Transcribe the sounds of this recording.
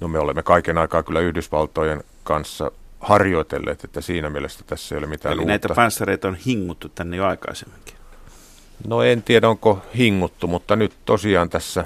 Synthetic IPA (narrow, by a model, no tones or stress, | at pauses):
nomeolemːekɑikenɑikɑːkylːˑæyhdysʋɑlt̪ˑojen | kɑnsːɑ̰hɑrjoˑit̪ḛlːḛːt̪et̪ːæsiːnæmielest̪æ̥t̪æsːæeijolemit̪æ̰ːniunæit̪æɑpænsːɑreit̪onhiŋːut̪ːutt̪ænːejoɑikɑ̰isemːiŋki̥ | noent̪iæɾæoŋkohiŋːut̪ːumut̪ːɑnyt̪t̪osiɑːnt̪æsːæ